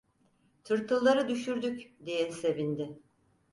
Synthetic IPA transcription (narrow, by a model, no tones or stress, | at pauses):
t̪ʰɯɾt̪ʰɯlˠːaɾɯd̪yʃyɾd̪ykd̪ijɛse̞vind̪ɪ